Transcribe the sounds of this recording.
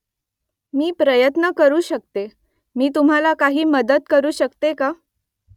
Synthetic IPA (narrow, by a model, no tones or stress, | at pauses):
miːpɾəjət̪nəkəɾuːɕək̚t̪e | miːt̪̬um̤alakaɦiːməd̪ət̪kəɾuːɕəkt̪eka